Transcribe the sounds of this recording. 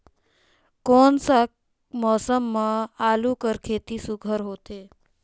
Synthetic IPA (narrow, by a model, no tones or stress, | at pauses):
koːnsa | mɔːsəmːãaːlukəɾkʰeːt̪isʊɡʱəɾɦoːt̪eː